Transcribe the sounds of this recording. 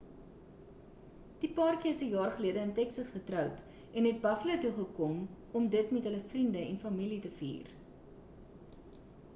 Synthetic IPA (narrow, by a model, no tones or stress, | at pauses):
d̥ipɑrkiəsəjɑːrχəliədəəntɛksɐsχətrœwt | ɛnɦɛt̚bɐflətuχəkɔm | ɔmdətmɛtɦələfrindəɛnfɐmilitəfḭːr